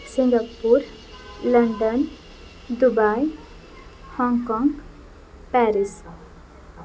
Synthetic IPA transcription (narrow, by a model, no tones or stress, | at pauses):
siŋɡapːuɾ | lɐɳɖən | d̪ubaj | hɔŋkɔ̃ŋɡ | pɛɾis